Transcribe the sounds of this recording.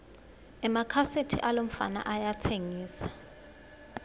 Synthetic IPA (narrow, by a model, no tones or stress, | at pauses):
ɛmakʰasetʰḭʔalom̩fa̰na̰ʔajatʰeŋiːsḁ